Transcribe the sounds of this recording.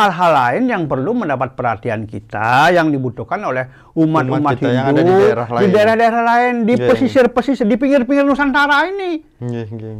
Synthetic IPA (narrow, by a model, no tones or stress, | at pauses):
alɦalaɪnjaŋpərluməndapat̪̚pərha̰t̪ia̰nkḭt̪a̰jaŋdibut̪uhkanolɛh | umat̪umahiduɾadidaeɾahdaeɾahlaɪndipəsisɪrpəsisdipiŋɡɪrpiŋɪrnusant̪aɾaini